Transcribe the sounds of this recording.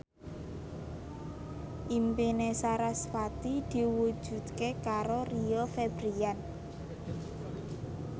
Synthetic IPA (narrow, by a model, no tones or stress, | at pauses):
ʔimpinesaɾasfat̪id̪̥i̤wud̥ʒ̥ṳt̪̚kekaɾoriɔfebɾian